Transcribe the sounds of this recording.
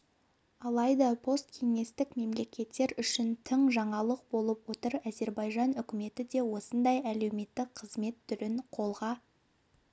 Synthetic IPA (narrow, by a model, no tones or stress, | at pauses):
ɑlˠɑjd̪ɑpʰo̞st̪̚kʲʰe̞ŋe̞st̪ɪkme̞mle̞kʲe̞t̪ːe̞ɾʏʃɪnt̪ʰəɴʒɑɴɑlˠəq̚bo̞lˠəp̚wo̞t̪əɾæze̞ɾbɑjʒɑnʏkʲɪme̞t̪ɪd̪e̞wo̞sənd̪ɑjæle̞wme̞t̪ːɪqʰəzme̞t̪ʰːʏɾɪɴqʰo̞lˠʁɑ